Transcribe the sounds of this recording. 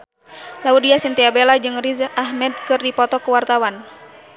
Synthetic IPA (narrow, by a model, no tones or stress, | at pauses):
laudiasint̪iabelad͡ʒɨŋrizʔahmɛd̪̚kɨrdipɔt̪ɔkəwart̪awan